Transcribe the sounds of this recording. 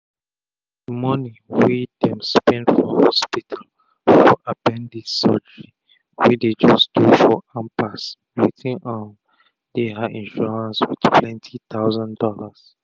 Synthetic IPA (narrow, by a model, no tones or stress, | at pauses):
mɔni | widɛ̃mspɛ̃ndfɹɔ̃mhɔspitʰal | fɔ̰ʔabɛ̃ndisɔd͡ʒəɹi | wided͡ʒɔsdufɔãmpas | ɹitĩnam | deɦadĩnʃɔɹãnswid̥pʰlɛ̃ntʰit̪aʊzãndɔlas